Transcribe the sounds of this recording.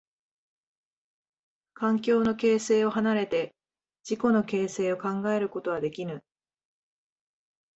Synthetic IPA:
kãŋkʲo̞ːno̞ke̞ːse̞ːo̞hanaɾe̞t̪e̞ | d͡ʑiko̞no̞ke̞ːse̞ːo̞kãŋɡae̞ɾɯ̟ko̞t̪o̞βad̪e̞kʲinɯ̟

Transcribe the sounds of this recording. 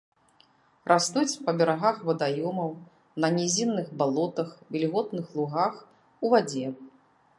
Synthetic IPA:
rʔast̪ut͡sʲpɐbʲɛɾaɣaxvɐd̪ajɔmɐw | nɐnʲɛzʲinːɨxbalˠɔt̪ɐxvʲɛlʲɣɔt̪nɨxlˠuɣax | uvad͡zʲɛ

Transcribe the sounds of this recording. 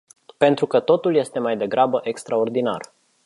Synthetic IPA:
pe̞nt̪ɾukət̪o̞t̪ulje̞st̪e̞majd̪e̞ɡɾabəʔe̞kst̪ɾao̞rd̪ina̰r

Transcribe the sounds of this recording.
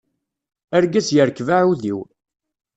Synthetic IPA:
æɾɡæsjəɾkvaʕuðiw

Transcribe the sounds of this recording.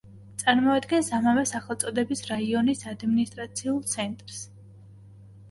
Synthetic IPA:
t̪sʼaɾmɔad̪ɡɛnsamavɛsaχɛlˠt̪sʼɔd̪ɛbisɾaiɔnisad̪minist̪ʼɾat̪sʰiulˠt̪sʰɛnt̪ʼɾs

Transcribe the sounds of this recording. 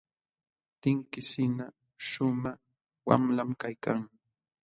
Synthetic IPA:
t̪ɪŋkɪsɪna | ʃʊma | wa̰mlamkajkaŋ

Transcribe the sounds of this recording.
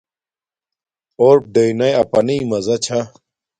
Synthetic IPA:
oːɾp̚ɖɐinɐjɐpɐnimɐzɐt͡ɕʰa

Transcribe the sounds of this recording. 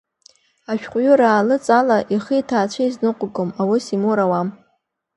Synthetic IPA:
aʃᶣqʷʼɥʊɾaːlɨt͡sʼalaʔiχitʰaːt͡ʃʷʰaiznɨqʷʼɡomawɨsimuɾawam

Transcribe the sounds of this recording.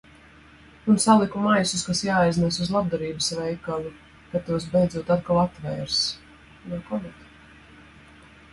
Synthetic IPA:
unsalˠikumajsuskasjaːajznɛsuzlˠab̚d̪aɾiːbɨsvɛjkalˠu | kat̪ːuɔs̬bejd̪zuɔt̪at̪̚kalˠat̪vɛːɾs | nɔkɔmɛt̪

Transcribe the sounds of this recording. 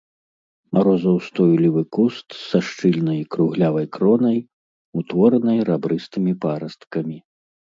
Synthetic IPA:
aɾɔzɐwst̪ɔjlʲivɨkust̪sːaʂt͡ʂɨlʲnɐjkɾuɣlʲavɐjkɾɔnɐj | ut̪vɔɾnɐjɾabɾɨst̪ɨmʲipaɾɐst̪kɐmʲi

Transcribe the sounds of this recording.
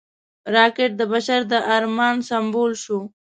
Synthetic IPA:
ɾɑkɪʈ̚d̪əbaʃaɾd̪əʔaɾmɑnsambolʃu

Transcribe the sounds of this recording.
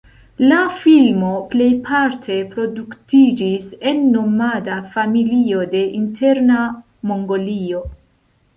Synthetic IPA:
lafilmo̞ple̞jpʰaɾtʰe̞pɾo̞duktid͡ʒise̞nːo̞madafamilio̞de̞ʔintʰe̞ɾna | mo̞ŋɡo̞lio̞

